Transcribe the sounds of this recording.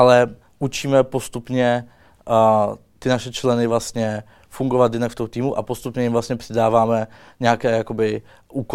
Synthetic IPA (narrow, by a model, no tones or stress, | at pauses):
ʔalɛ | ʔut͡ʃiːmɛpo̞st̪upɲɛ | t̪ɪnaʃɛt͡ʃlɛnɪvlast̪ɲɛ | fuŋɡovat̪jɪnakft̪oɦwt̪iːmuʔapost̪upɲɛjɪmvlast̪ɲɛpr̥ɛdaːvaːmɛɲɛakɛːjako̞bɪ | ʔuːk